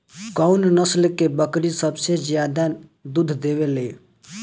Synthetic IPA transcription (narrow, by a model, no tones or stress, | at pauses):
kɔunnəslkebəkɾisəbsed͡ʒjad̪ad̪ud̪ʱd̪eβele